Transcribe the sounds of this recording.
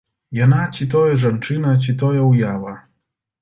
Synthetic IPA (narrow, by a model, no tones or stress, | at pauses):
janat͡sʲit̪ɔjɐʐant͡ʂɨnɐt͡s̬ʲit̪ɔjɐwjavɐ